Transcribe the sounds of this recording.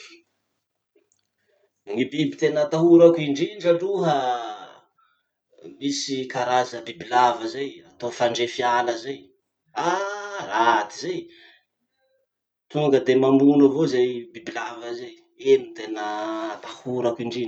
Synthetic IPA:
ŋibibi̥t̪enət̪aɦuɾakiɳɖ͡ʐiɳɖ͡ʐaɳɖ͡ʐuɦə | misikaɾazəbibilavəzejat̪ofaɳɖ͡ʐefialəzej | arat̪izej | t̪uɡəd̪emamunavozejbibilavəzej | enit̪enət̪ahuɾakiɳɖ͡ʐiɳ

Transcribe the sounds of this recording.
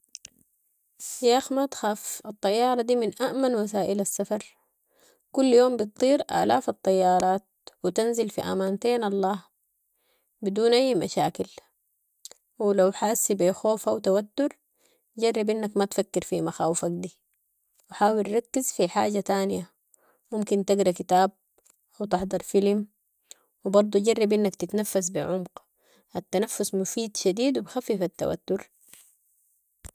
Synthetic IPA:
seːxmat̪xaːfɑt̪ˤːɑjːɑːɾˤɑd̪iːminʔaʔmanwas̬aːʔilasːafɑɾˤ | kulːjoːmbit̪ˤːiːɾʔa̰ːlaːfɑt̪ˤːɑjːɑːɾˤɑːt̪̚wit̪anzilfḭʔa̰maːnt̪eːnɑlˤːɑːh | bid̪uːnʔajːma̰ʃaːkil | wilawħaːsːibixoːfawt̪awat̪ːʊɾ | ɟɑrˤːɑbʔinːakmat̪fakːiɾfimaxaːwfak̚d̪i | wɪħaːwilɾɑkːizfiħaːɟat̪aːnija | mumkint̪ɪɡɾɑkit̪aːb̚ | ʔawt̪ɪħd̪ˤɑɾˤfilm | wɪbɑɾˤd̪ˤuɟɑrˤːɑbʔinːakt̪it̪nafːas̬biʕʊmq | ʔat̪ːanafːusmufiːd̪ʃad̪iːd̪wibxafːifat̪ːa̰wa̰t̪ːʊɾ

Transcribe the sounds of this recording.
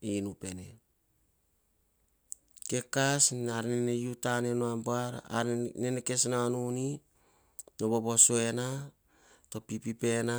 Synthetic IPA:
inupe̞nḛ | ke̞kasaɾnenejutanenoambaɾa̰neneke̞snaonuni | noβobo̞soe̞na | to̞pipipe̞na

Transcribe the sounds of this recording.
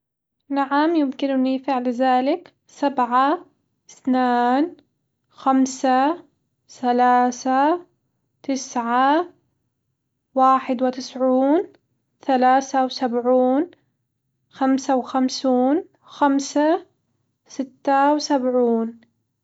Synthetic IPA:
naʕamjɪmkɪnnifɪʕlðaːlɪk | sabʕa | ɪθnaːn | xamsa | θalaːθa | t̪ɪsʕa | waːħɪd̪wɪt̪ɪsʕuːn | θalaːθawsabʕuːn | xamsawxamsuːn | xamsa | sɪt̪ːawsabʕuːn

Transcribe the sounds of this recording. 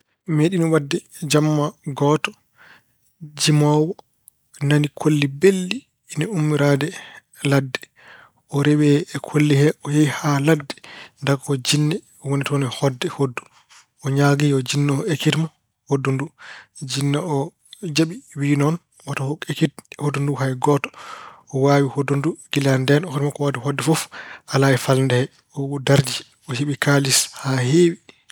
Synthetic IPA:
meɗinɔwadːɛ | d͡ʒamːaɡɔtɔ | d͡ʒimɔwɔ | nanikʰolːibelːiː | nɛumːiɾadɛ | ladːɛ | ʔɔɾɛwɛːkʰolːihɛʔɔjɛjhaladːɛ̥ndakɔd͡ʒinːɛ | wonitɔnɛhɔdːɛhodːu | ɔɲaɡiɔd͡ʒinːaɔekiɾmɔ | hodːundud͡ʒinːaɔ | d͡ʒaɓiwinɔn | watahoekihodunduɦaɛɡɔtɔ̥ɔwaːwihodːunduɡ̥ilandɛnɔhɔɾmakɔwadihɔdːɛfofʔalaɛfalndɛhɛ | ɔdaɾd͡ʒi | ɔheɓikalishaheːwi

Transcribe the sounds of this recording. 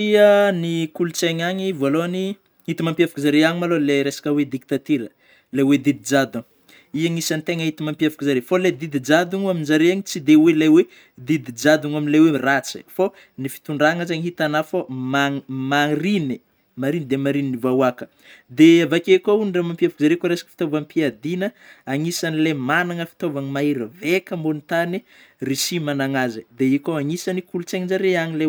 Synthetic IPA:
iənikulut͡seɲaɲivoaloani | hit̪imampiafikizaɾeaɲimaloleɾesḁkəwed̪ikt̪at̪iɾə | lajwed̪id̪id͡zad̪uŋ | iaŋisant̪eŋəhit̪imampiafḁkizaɾefoled̪id̪id͡zad̪uŋuaminzaɾeaɲit͡sid̪ewelajwe | d̪id̪id͡zad̪uŋaminlajwerat͡si̥̰fo | nifi̥t̪uɳɖ͡ʐaŋəzaɲiɦit̪anafomamarini | maɾinid̪emaɾininivawakə̥ | d̪eavakekouniremampiafukzaɾekoɾesḁkə̥fi̥t̪ovampiad̪inəaŋisanilemanaŋəfi̥t̪ovaŋimaiɾvekəmbonit̪ani | risimanaŋazəd̪eikoaŋisanikult͡saɲind͡ʒaɾeaɲile

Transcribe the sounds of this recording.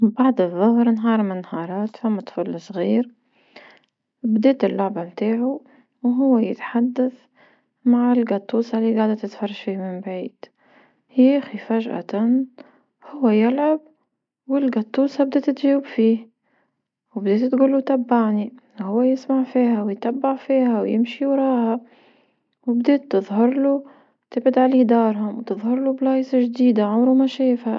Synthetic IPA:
baʕd̪ˤɨðˤːʊhɾnɦɑːɾˤmɪnːhɑːɾˤɑːt̪famːat̪fʊlːsˤɣiːɾ | bd̪eːt̪ɪlːʊʕbamt̪aːʕu | wɦʊwːæjɪt̪ħad̪ːaθ | maʕɪlɡɑt̪ˤːuːsɑlːiːɡaʕd̪at̪ɪt̪fɑrˤːɑʃfiːmɪmbaʕiːd̪̥ | hjaxifaʒʔa̰t̪an | hʊwːæjɪlʕab̚ | wɪlɡɑt̪ˤːuːsabɪd̪et̪ɪt̪ʒeːwbfiː | wbd̪eːt̪t̪ɡuːlːut̪abːaʕni | hʊwːajɪsmaʕfiːhawjt̪abːaʕfiːhawjɪ̰mʃiwɾˤɑːha | wɪbd̪eːt̪ːɨðˤɦɑɾˤlu | t̪ɪbɪd̪ʕaleːd̪ɑːɾˤɦʊmwt̪ɨðˤhɑɾˤlublɑːjsɑʒd̪iːd̪aʕʊmɾumaʃeːfha

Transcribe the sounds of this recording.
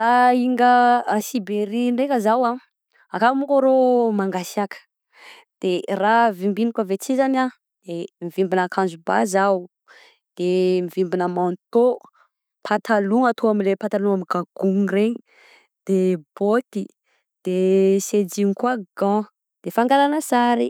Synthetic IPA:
saiŋɡəːsibeɾiɳɖ͡ʐekʲəzawa | akamukəɾomaŋɡasakə̥ | d̪̥eravimbinikəvet͡sizana | d̪̥emivimbinakʰanzuba̰zaw | d̪̥emivimbinəmɔ̃nt̪o | pʰat̪ʰaluŋat̪ʰoamilepat̪aluŋamiɡaɡ̥uŋreɲi̥ | d̪̥ebot̪i | d̪̥esed͡ʒiɲkwaɡã | d̪̥efaŋɡalanəsaɾi

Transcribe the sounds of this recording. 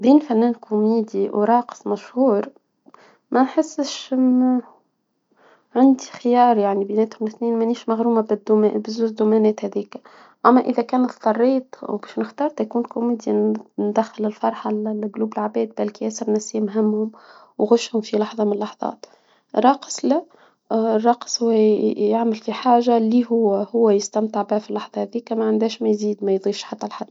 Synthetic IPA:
biːnfænːɛːnkʰʊmiːd̪iwɾˤɑːqsˤmæʃhuːɾ | mʔænħɪsːʃ | ʕand̪ixɪjɑːɾˤjaʕnibinæːt̪hʊmlɪθniːnmæniːʃmaɣɾuːmabɪd̪bɪzːuːzd̪ʊmænɛːt̪hæðiːk | ʔæmːæʔɪðækæːnət̪θˤɑrˤːiːt̪wbɛːʃnɪxt̪ɑːɾˤt̪ækuːnkʊmiːd̪ind̪æxːɪlɪlfɑɾˤħɑlɡluːbɪlʕabɛːd̪̚bælkɛːsəɾˤnæsiːmɦɪmːhʊmwɣʊʃhʊmfilɑħðˤɑmɪnəlɑħðˤɑ̰ːt̪ | ɾˤɑːqə̥slæ | rˤɑqə̥shʊwːæjaʕmɪlfiħaːʒaliːɦʊwːæhʊwːæjɪst̪æmt̪əʕbɪhæfilːɑħðˤɑhæðiːkmæʕand̪ɛːʃmæjziːd̪mæjd̪ˤiːfʃħat̪ːælħad̪

